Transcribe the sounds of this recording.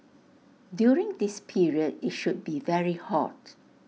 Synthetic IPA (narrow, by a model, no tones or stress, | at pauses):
djuɹɪ̃ŋdispʰiɹiəditʃud̚bivɛɹihɔ̰t